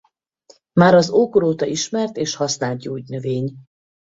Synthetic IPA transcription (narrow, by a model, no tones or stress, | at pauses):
maːɾɒzoːkoɾoːt̪ɒiʃmɛrt̪eːʃhɒsnaːlt̪̚ɟoːɟnø̞veːɲ